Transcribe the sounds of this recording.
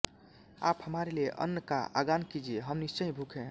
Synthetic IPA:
a̰ːphəmaɾeleʔə̰nːəka̰a̰ɡankid͡ʒieɦəmnist͡ʃəĩbʱukʰɛ̃

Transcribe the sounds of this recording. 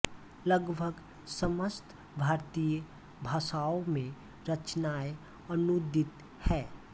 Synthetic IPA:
ləɡbʱəɡ | səməst̪ʰ | bʱaːɾt̪ijə | bʱaːsaomẽ | ɾət͡ʃnae | ənud̪ɪt̪ | hɛː

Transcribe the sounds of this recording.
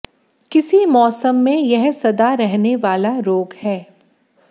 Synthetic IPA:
kɪsimɔːsəmːẽjɛɦsɐd̪aɾɛɦneʋaːlaɾoːɡhɛː

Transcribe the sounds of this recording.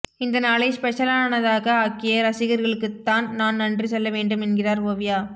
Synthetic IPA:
ɪnd̪ɐnaːlɐɪspɛʂɐlaːnɐðaːɣɐaːkːɪjɐɾɐsɪɣɐɾɣɐɭɯkːɯt̪ːaːnnaːnnɐndrisɛlːɐʋeːɳɖɯmɛnɡɪraːɾoːʋɪjaː

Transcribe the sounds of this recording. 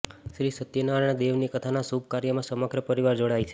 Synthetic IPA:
ʃɾisət̪jənaɾəɳ̃d̪eʋnikət̪ʰanasub̚kaɾjəmãsəməɡɾəpəɾiʋaɾd͡ʒoɽajt͡ʃʰe̥

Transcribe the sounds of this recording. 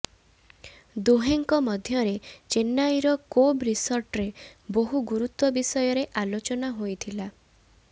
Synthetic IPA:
d̪uɦeŋkɔmɔd̪ʱjɔɾet͡ʃenːajɾɔkobɾisɔɾʈɾeboɦuɡuɾut̪wɔbisɔjɔɾeʔalot͡ʃɔnaɦojt̪ʰila

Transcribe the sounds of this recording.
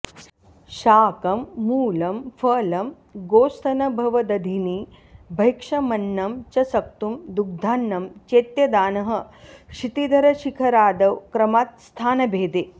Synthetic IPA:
ʃaːkɐmːuːlɐmfʰɐːlɐm | ɡoːst̪ʰɐnɐbʱɐʋɐd̪ɐd̪ʱini | bʱɐjkʂɐmɐnːɐmt͡ʃɐsɐk̚t̪umd̪uɡ̚d̪ʱaːnːɐmt͡ʃeːt̪jɐd̪aːnɐɦɐ̆ʂit̪id̪ʱɐɾɐʃikʰɐɾaːd̪ɐwkɾɐmaːt̪̚st̪ʰaːnɐbʱeːd̪eː

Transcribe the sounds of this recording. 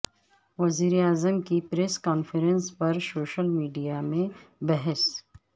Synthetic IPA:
ʋɐziːɾeaːzəmkipɾeːskaːnfəɾə̃nspɐɾsoːʃəlmiːɖijamẽbɛɦɛs

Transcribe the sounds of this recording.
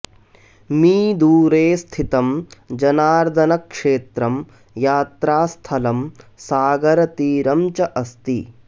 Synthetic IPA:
miːd̪uːɾeːst̪ʰit̪ɐmd͡ʒɐnaːɾd̪ʱɐnɐkʂeːt̪ɾɐm | jaːt̪ɾaːst̪ʰɐlɐmsaːɡɐɾɐt̪iːɾɐmt͡ʃɐʔɐst̪ḭ

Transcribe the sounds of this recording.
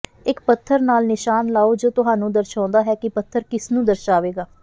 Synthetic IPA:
ɪkpət̪ʰːəɾnaːlnɪʃaːnlaːoːd͡ʒoːt̪ʊɦaːnũːd̪əɾʃãːnd̪aːɦɛːkɪpət̪ʰːəɾkɪsnũːd̪əɾʃaːʋeːɡaː

